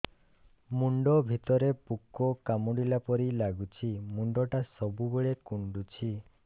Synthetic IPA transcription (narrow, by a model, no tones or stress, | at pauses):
muɳɖɔbʱit̪ɔɾepukːokamuɽilapɔɾilaɡut͡ʃʰimuɳɖɔʈasɔbubeɭekuɳɖut͡ʃʰi